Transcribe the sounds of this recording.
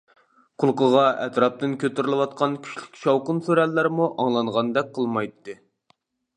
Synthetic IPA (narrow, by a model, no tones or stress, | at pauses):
qʰʊlˠqəʁɑʔɛt̪ɾɑp̚t̪ɨnkʲøt̪yɾɪlˠɪwɑt̪̚qʰɑnkʲʰy̥t͡ʃlɪkʲʃɑwqənsøɾɛlːæɾmuʔɑŋlˠɑɴʁɑnd̪ɛk̚ʲqʰəlˠmɑjt̪ːɨ